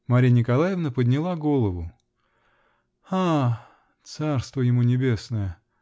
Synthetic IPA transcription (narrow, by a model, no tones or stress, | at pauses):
mɐɾʲinʲɪkɐlˠajɪvnəpəd̪ʲnʲɪlˠaɡo̞lˠəvʊ | a | t̪sarst̪vəjɪmunʲɪbʲe̞snəjə